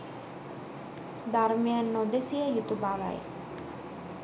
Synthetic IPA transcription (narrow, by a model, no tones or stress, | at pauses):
d̪aɾmijanːɔd̪esijajut̪ubaɾa̰j